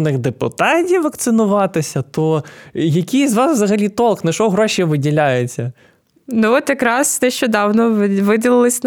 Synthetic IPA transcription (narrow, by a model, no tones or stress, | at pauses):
nɪxd̪epʊ̰t̪ɑtʲiwʋɐkt̪sɪnʊʋɑt̪ɪsʲɐt̪ɔjɐkʲijzʋɑsʋzɐɦɐlʲit̪ɔlˠknɐʃɔɦɾɔʃʲijʋɪdʲilʲajʊt͡sʲːɐ | nuɔt̪jɐkɾɑsnɛʃt͡ʃɔd̪ɑwnɔʋɪdʲɪlˠɪlˠɪsʲ